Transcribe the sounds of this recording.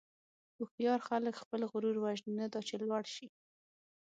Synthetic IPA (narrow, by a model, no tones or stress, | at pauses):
ʊxt̪jɑɾxaləkxpəlɣʊɾuɾwaʒnnad̪ɑt͡ʃelwaɽʃi